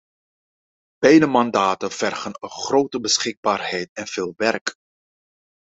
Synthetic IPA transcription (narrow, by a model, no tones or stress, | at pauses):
b̥ɛjnəmɑndaːtənv̥ɛrχənənχroːtəbəsχɪɡ̚baːrɦɛjtɛnv̥eːlˠʋɛrk